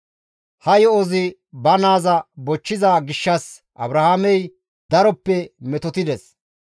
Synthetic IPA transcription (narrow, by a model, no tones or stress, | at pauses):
hɐjɔɔzɪ | bɐnaːzɐbɔt͡ʃːɪzaːɡɪʃːɐs | ʔɐ̰bɾɐhaːmɛj | d̪ɐɾɔpːɛmɛt̪ɔt̪ɪd̪ɛs